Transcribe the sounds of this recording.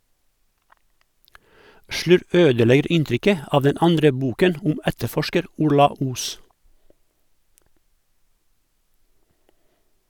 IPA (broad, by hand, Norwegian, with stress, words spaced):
ˈʃlʉɾʋ ˈøːdəˌlɛɡəɾ ˈɪnˌtɾʏkə ˈɑːʋ ˈdɛn ˈɑndɾə ˈbuːkən ˈʊm ˈɛtəˌfɔʃkəɾ ˈʊɾlɑ ˈuːs